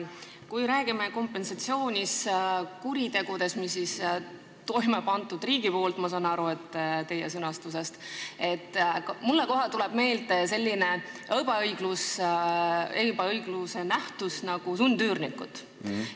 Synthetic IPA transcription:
kujɾæːɡ̥imeko̞mpːe̞nsɑt̪sio̞ːnʲiskuɾit̪e̞ɡ̥ud̪̥e̞smisːis | t̪o̞jmepɑnt̪ːˑud̪riːɡ̥ipo̞ːlt̪ˑmɑs̬ɑːnɑɾue̞t̪ːˑt̪e̞jesɤnɑst̪use̞st̪e̞t̪ːˑkmulːeko̞ɦɑt̪ule̞b̥me̞ːlt̪ese̞lʲːine̞ɤb̥ɑɤjɡ̥lus | ebɑɤjɡ̥luse̞næht̪usnɑɡ̥usund̪yːrnikːˑut̪ˑ

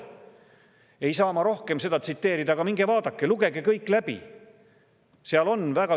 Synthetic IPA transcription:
e̞jsɑːmɑɾo̞hke̞mse̞d̪ɑt̪sit̪ːe̞ːɾid̪ɑɡ̥ɑmiŋɡ̥evɑːd̪̥ɑkːeluɡe̞ɡekɤjkːˑlæb̥ḭ | seɑlo̞nvæɡ̥ɑ

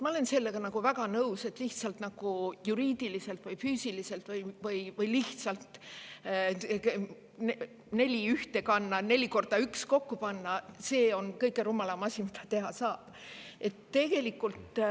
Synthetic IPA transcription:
mɑo̞lense̞lːe̞ɡ̥ɑnɑɡ̥uvæɡ̥ɑnɤwse̞t̪ːˑliht̪sɑlt̪nɑɡ̥ujuɾiːd̪̥ilise̞lt̪vɤjfyːsʲilise̞lt̪vɯjvɯjvɯjliht̪sɑlt̪ | n | ne̞lʲiyht̪e̞kɑnːɑne̞lʲiko̞rd̪̥ɑyksko̞kːupɑnːɑse̞ːo̞nkɤjkːˑeɾumːɑlɑmɑsʲimit̪ɑt̪e̞ɦɑsɑːb̥ | e̞t̪ːe̞ɡ̥e̞likːˑult̪

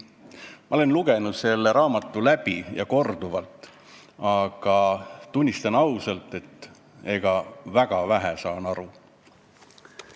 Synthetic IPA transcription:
mɑole̞nluɡ̥e̞nud̪̥se̞lːe̞ɾɑːmɑt̪ːˑulæb̥ijɑ̰ko̞rd̪̥uvɑlt̪ːˑ | ɑɡ̥ɑt̪unʲːist̪ɑnɑwsɑlt̪ːˑe̞t̪ː | e̞ɡ̥ɑvæɡ̥ɑvæɦæsɑːnɑɾu

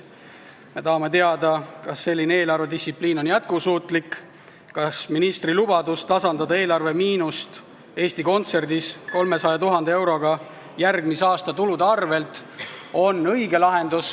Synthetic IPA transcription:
me̞t̪ɑɦɑme̞t̪e̞ɑd̪̥ɑkɑsːe̞lʲːineeːlɑrve̞d̪isipliːno̞njæt̪̚kusuːt̪ˑlikː | ɑsminist̪rilub̥ɑd̪ust̪ɑsɑnd̪ɑd̪ɑe̞ːlɑrve̞miːnust̪ | e̞ːst̪iko̞nt̪se̞rd̪̥isko̞lme̞sɑjɑt̪uɦɑnd̪ee̞wɾo̞ɡ̥ɑ | jærɡmisɑːst̪ɑt̪ulud̪eɑrve̞lt̪ˑo̞nɤjɡe̞lɑɦe̞nd̪̥us

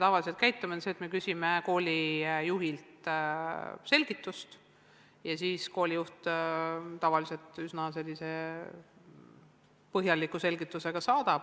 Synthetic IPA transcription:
met̪ɑvɑliselt̪kæjt̪ːˑumenseːt̪me̞kysʲime̞ko̞ːlʲijuɦilt̪ | se̞lʲɡ̥it̪ːˑust̪ | jɑsiːsko̞ːlʲijuht̪ | t̪ɑvɑlise̞lt̪ˑysnɑse̞lʲːise̞ | pɤɦjɑlikːˑuse̞lɡit̪ːˑuse̞ɡ̥ɑsɑːd̪̥ɑb̥

